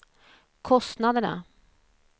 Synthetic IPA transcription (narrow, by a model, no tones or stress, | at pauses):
kʰɔst̪nad̪əɳa̰